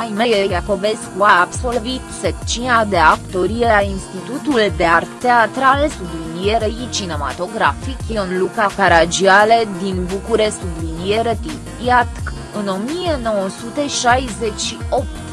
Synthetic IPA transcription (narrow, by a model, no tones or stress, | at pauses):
ajmejejako̞veskuaabso̞lvit̪sek̚t͡ʃinad̪e̞akt̪o̞ɾielainst̪it̪ut̪uld̪e̞art̪eat̪ɾalesublinijeɾeit͡ʃine̞ma̰t̪o̞ɡɾafikjeonlukakaɾad͡ʒiale̞d̪inbukuɾessublinijeɾet̪utiat̪k | ɨno̞mijeno̞wosut̪e̞ʃajze̞t͡ʃʃio̞p̚t̪